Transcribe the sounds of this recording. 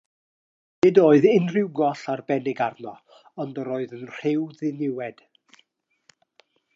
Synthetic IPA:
nɪdoːɨðɪnrɪwɡɔɬarbɛnɪɡarnɔ | ɔndəɾoːɨðənr̥ɪwðɪnɪwɛd̥

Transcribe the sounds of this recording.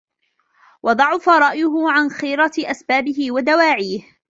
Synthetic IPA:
wʔɑd̪ˤɑʕʊfaɾˤɑʔjʊɦʊʕanxiːɾɑʔasbaːbɪɦɪwad̪awaːʕiːh

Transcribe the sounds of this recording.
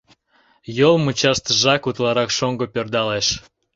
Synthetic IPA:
jolmut͡ɕɑʃt̪ʒɑkut̪lɑɾɑkʃoŋɡopʲørd̪ɑleʃ

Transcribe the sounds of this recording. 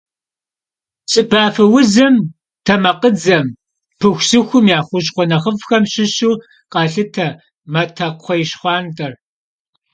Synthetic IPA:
ɕʼɪbʰaːfɨwʊzɐm | tʰɐmɐqəd͡zɐm | pʰɨxʷsɨxʷʊmjaːχʷʊɕ̬χʷɔnɐχəvxɐmɕɪɕuː | qɑːɬɨtʰɐ | mɐtʰɐqʷʰɔjɪɕχʷɑːntʰʼɐr

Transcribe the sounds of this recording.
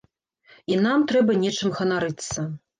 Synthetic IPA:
inamt̪ɾɛbɐnʲɛt͡ʂɨmɣɐnaɾɨt̪sːɐ

